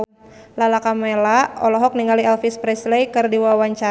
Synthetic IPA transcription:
lalakamɛlaɔlɔɦɔk̚niŋaliɛlfispɾɛslejkɨrdiwawaɲt͡ʃa

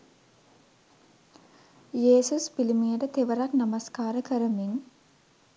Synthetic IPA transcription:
jeːsuspilimijəʈət̪eʋəɾaknamaskaːɾəkəɾəmiŋ

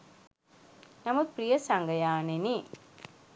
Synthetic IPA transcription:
nɐmɐprijɐsɐŋɡɐjaːneni

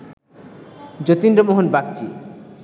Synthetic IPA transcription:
d͡ʑot̪indɾomoɦonbak̚t͡ɕi

